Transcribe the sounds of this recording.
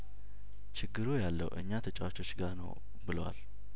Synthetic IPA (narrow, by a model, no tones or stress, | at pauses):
t͡ʃʰɪɡːɨɾujalːə̰wʔɨ̰ɲːat̪ʰət͡ʃʼawat͡ʃo̞t͡ʃːɡanə̰w | bɨləwa̰l